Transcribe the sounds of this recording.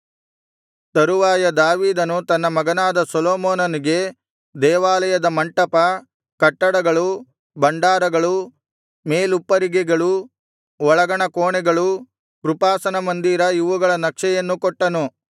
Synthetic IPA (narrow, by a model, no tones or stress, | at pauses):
t̪ɐɾuʋaːjɐd̪aːʋiːd̪ɐnut̪ɐnːɐmɐɡɐnaːd̪ɐsɔloːmoːnɐniɡe̞ | d̪ɛːʋaːlɐjɐd̪ɐmɐɳʈɐpɐ | kɐʈːɐɽɐɡɐɭu | bɐɳɖaːɾɐɡɐɭu | meːlupːɐɾiɡɛɡɐɭu | ɔɭɐɡɐɳɐkoːɳɛɡɐɭu | kɾupaːsɐnɐmɐnd̪iːɾɐjiʋuɡɐɭɐnɐkʂɛjɐnːukɔʈːɐnu